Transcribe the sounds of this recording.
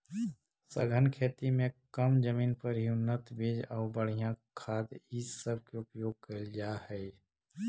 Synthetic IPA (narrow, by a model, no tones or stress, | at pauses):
səɡʱənkʰeːt̪imẽkəmd͡ʒəmiːnpəɾjunət̪beːd͡ʒaːbəɽ̤ijãkʰaːd̪isəb̚ʱkeʊpjoːɡ̚kəɾd͡ʒahɛː